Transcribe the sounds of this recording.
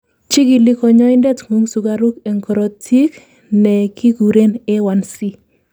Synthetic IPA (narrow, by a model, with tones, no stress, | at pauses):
t͡ʃi˦ɡi˨li˦kɔ˨ɲɔ˦ɪ˦ndɛ˦tŋu˦ŋsu˨ɡa˨ɾu˦kɛ˨ŋkɔ˨ɾɔ˨tʰi˦k | nɛ˨kʰi˦ɡu˨ɾe˦nɛ˦wa˦nsi˦